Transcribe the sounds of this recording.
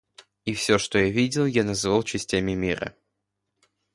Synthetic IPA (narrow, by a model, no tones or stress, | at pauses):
ifsʲoʂt̪ojavʲidʲɪlˠjanɐzɨvalˠt͡ɕɪsʲtʲamʲɪmʲiɾə̰